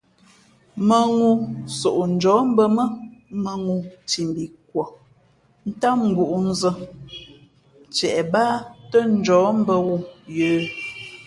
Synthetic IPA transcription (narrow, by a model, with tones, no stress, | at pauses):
mə˨ŋu˦so˨ʔn̩˨d͡ʒɔː˨˦m̩˦bə˦mə˦mə˨ŋu˨ti˨m˨bi˨k̚wɔ˨ | n̩˦ta˦ŋ̩˦ɡu˨ʔu˨n̩˦zə˦ | t͡ʃɛ˨ʔɛ˨baː˦tə˦n̩˦d͡ʒɔː˨˦m̩˦bə˦wu˦jəː˨˦